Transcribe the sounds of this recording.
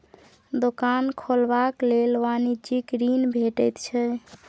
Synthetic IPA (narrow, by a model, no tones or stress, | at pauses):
d̪okankʰolbaklelʋanid͡ʒikɾinbʱeʈɛjt̪t͡ʃʰɛ